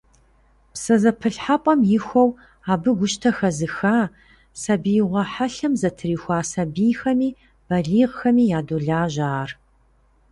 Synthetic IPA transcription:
psɐzɐpʰɨɬħapʼɐmjɪxʷɔw | aːbɨɡʷʊʃtʰɐxɐzɨxaː | sɐbijʁʷɐħaɬɐmzɐtʰɨriːxʷaːsɐbiːxɐmiː | b̥ɐɮiːʁxɐmiːjaːdoɮaːʒaːr

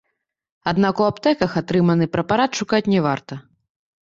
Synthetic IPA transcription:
ad̪nakuapt̪ɛkɐxat̪ɾɨmɐnɨpɾɐpaɾat̪ʂukat͡sʲnʲɛvart̪ɐ

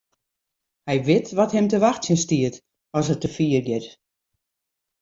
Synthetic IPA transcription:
hɛjʋɪtʋɔthɛmtəʋaxtsjənstiət | ɔsətəfiːərɡɪt

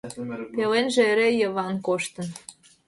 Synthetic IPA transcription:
pelenʒĕeɾejəβɑnkoʃt̪ə̆n

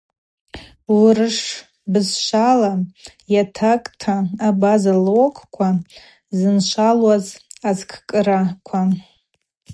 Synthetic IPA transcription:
wrɨʂ | bɨzʃʷala | jatʰakʼtʰaːbazalokʷʼʰkʷʰa | zɨnʃʷalwazazkʰkʼɨɾakʷʰa

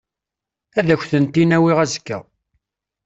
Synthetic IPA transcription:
æðæçʷθənt̪inæwiʁæzəkːæ̰

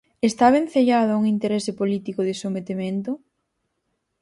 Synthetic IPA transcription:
est̪aβen̟θeʎaðʊauŋint̪eɾesɪpolit̪ikoðɪsomet̪ement̪ʊ

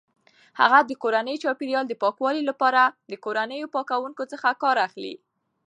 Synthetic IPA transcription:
ha̰ɣad̪əkoɾanəjt͡ʃɑpiɾjɑld̪əpɑkwɑlilapɑɾad̪əkoɾanəjopɑkawuŋkot͡səxakɑɾaxlḭ

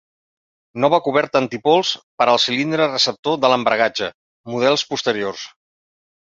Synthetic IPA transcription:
nɔβəkuβ̞ɛɾt̪ənt̪ipolˠspəɾəlˠsilind̪ɾərəsəp̚t̪oðələmbɾəɣ̞ad͡ʒə | muðɛlˠspust̪əɾiors

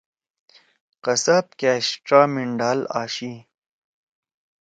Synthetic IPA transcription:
qɐsap̚kaːsʈɾaːmiɳɖaːlaːɕi

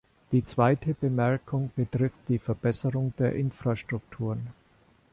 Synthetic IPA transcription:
d̥iːt͡sv̥aɪtʰəbəmɛɐkʰʊŋb̥ətʁ̥ɪft̚d̥iːfɛɐbɛsəʁʊŋd̥eːɐʔɪnfʁ̥aʃtʁ̥ʊktʰuːʁn

